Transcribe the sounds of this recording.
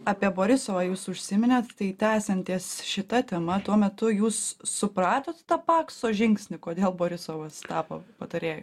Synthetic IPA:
ɑːpʲiɛboːɾʲɪsoːʋɑːjuːsʊʃʲsʲɪmʲɪnʲɛt̪t̪ɐɪt̪ʲæːsʲɛnʲt̪ʲiɛsʃʲɪt̪ɐt̪ʲɛmɐt̪uɔmʲɛt̪ʊjuːsːʊpɾɑːt̪oːt̪t̪ɑpɑːksoːʒʲɪŋksʲnʲɪkoːd̪ʲeːlˠboːɾʲɪsoːʋɐst̪ɑːpo̰pɐt̪ɐɾʲeːjo

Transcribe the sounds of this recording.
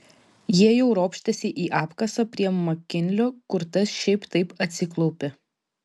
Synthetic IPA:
jiɛjɛʊɾoːpʲʃʲt̪ʲɛsʲɪʔiːʔɑːpkɐsɐpʲɾʲiɛmɐkʲɪnʲlʲoːkʊɾt̪ɐsʃʲɛɪpt̪ɐɪpɐt̪ʲsʲɪklˠɔʊpʲɪ

